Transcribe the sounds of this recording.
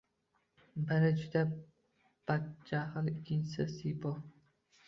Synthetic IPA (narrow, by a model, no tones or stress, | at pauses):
bɪɾɪd͡ʒʊd̪a | b̥at͡ʃːahɨlɪkʲʰːɪnt͡ʃɪsɪsibɒ